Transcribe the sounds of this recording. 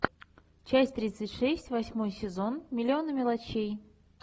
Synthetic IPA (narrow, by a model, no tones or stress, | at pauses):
t͡ɕæsʲt̪ɾʲit̪sɨtʲʂɛsʲtʲvɐsʲmo̞jsʲɪzo̞nmʲɪlʲɪo̞nəmʲɪlˠɐt͡ɕej